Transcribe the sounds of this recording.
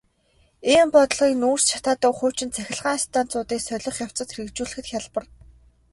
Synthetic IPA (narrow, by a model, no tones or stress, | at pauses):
eːmpɔt̪̆ɮʁiːknuːr̥st͡ɕʰḁt̪aːt̪ə̆ːxʊːt͡ɕɪ̆nt͡sʰæxʲɪ̆ɮʁaːst̪ʰaːnt͡sʊːt̪iːksœɮʲɞ̆χjaw̥t͡sə̆t̪xɾɘ̆kt͡ɕuːɮɘ̆xɘ̆t̪xʲaɮpə̆r